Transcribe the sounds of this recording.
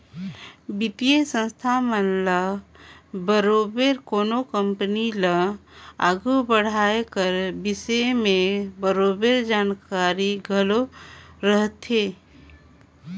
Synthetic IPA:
bit̪ijesə̃nst̪ʰamənla | bəɾoːbeɾkoːnokəmpənilaa̰ːɡubəɽ̤aːekəɾbɪsemẽbəɾoːbeɾd͡ʒaːnkaːɾiɡʱəloɾəɦt̪eː

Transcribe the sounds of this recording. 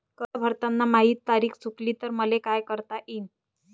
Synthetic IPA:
kəɾbʱəɾt̪anːamaɦiːt̪ːaɾiːkt͡sukliːt̪əɾməlekajkəɾt̪aʔiːn

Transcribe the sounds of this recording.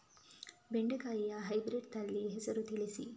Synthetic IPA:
beɳɖekaijaːɦɐjbɾeɖ̚t̪ɐlːiːɦesɐɾut̪ilisḭ

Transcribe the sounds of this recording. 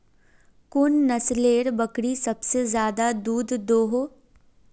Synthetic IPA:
kʊnːɐsleːɾbəkɽisɐbsezjaːd̪ad̪uːd̪d̪oːɦo

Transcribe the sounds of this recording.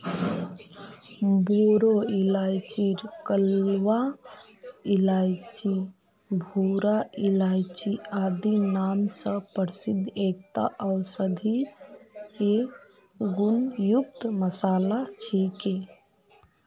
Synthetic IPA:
boɾoilajt͡ʃiɾkəlʋa | ilajt͡ʃi | bʱoɾailajt͡ʃiad̪inaːmsə̃pəɾsid̪ʱːek̚t̪a̰ʔɔʊsəd̪ʱi | e | ɡunjuk̚t̪məsaːlat͡ʃʰike

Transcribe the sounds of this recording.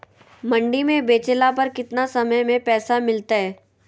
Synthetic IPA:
mɐ̃ɳɖimẽbeːt͡ʃelapɐɾkɪt̪nasɐməjmẽpɛːsamɪlt̪aɦɛː

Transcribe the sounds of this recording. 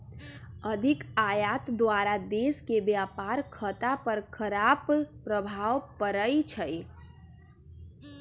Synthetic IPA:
əd̪ʱikajat̪d̪waɾad̪eskebjapaɾkʰət̪apəɾkʰəɾabpɾəbʱawpəɾəjt͡ʃʰəj

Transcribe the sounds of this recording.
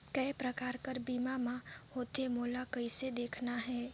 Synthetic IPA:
kɐɪpɾəkaːɾkəɾbiːmamãhoːt̪emoːlakɐised̪eːkʰnaɦɛː

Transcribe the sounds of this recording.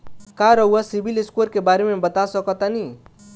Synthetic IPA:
kaɾɔɦuasibilɪskoɾkebaːɾemẽbɐt̪asɔkɔt̪ani

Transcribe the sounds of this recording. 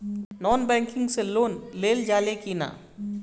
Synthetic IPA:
nɔːnbɛ̃ŋkɪ̃ŋɡseloːnleːld͡ʒaːlekina̰

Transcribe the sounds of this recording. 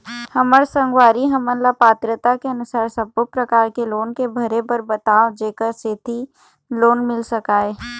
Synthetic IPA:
hɐməɾsɐ̃ŋɡwaːɾiɦɐmənlapaːt̪ɾət̪akeɐnʊsaːɾsɐbopɾəkaːɾkeloːnkebʱɐɾebəɾbət̪aːod͡ʒeːkəɾseːt̪i | loːnmɪlsɐkaːeː

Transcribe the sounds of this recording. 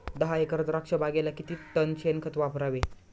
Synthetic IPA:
d̪əɦaekəɾət̪ɾakʂəbaɡelakit̪iːt̪ənt͡ɕʰenkʰət̪ʋapɾaʋe

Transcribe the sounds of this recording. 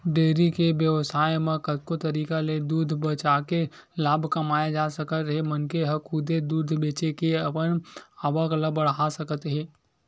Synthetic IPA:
ɖeːɾikebjəʋsaːjmãkət̪kot̪ɐɾiːkaled̪uːd̪ʱbət͡ʃake | laːbʱkɐmaːjad͡ʒaːsəkət̪ɦɛmɐnkeɦɐkʰʊd̪ed̪uːd̪ʱbeːt͡ʃekeɐpənaːʋakləbəɽɦasəkət̪ɦɛː

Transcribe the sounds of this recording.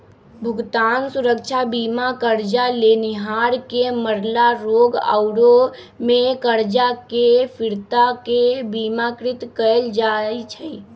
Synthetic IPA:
bʱʊɡt̪ansuɾək̚t͡ʃʰabimakəɾd͡ʒaleniɦaɾkeməɾlaɾoɡə̰ʊɾo | mekəɾd͡ʒakepʰiɾt̪akebimakɾɪt̪kəld͡ʒajt͡ʃʰəj

